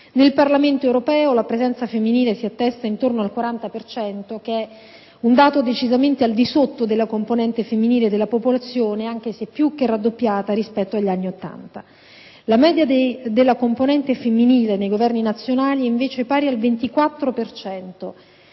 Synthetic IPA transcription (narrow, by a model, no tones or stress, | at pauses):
nelparlament̪oewɾopɛːolapɾezɛnt̪safemːiniːlesiat̪ːɛst̪aint̪ornoalkwaɾant̪apert͡ʃɛnt̪ok̟eɛ | und̪aːt̪od̪et͡ʃizament̪eald̪isot̪ːod̪elːakomponɛnt̪efemːiniːled̪elːapopolat̪sːjoːneaŋk̟esepːjuk̟ːɛrːad̪ːopːjaːt̪aɾispɛt̪ːoaʎːanːiot̪ːa̰nt̪a | lamɛːd̪jad̪ed̪elːakomponɛnt̪efemːiniːlenejɡovɛrninat̪sːjonaːliiɱveːt͡ʃepaːɾialvent̪ikwat̪ːɾopert͡ʃɛnt̪o